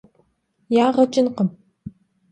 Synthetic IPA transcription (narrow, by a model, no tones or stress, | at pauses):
jaːʁɐt͡ʃʼɪnqəm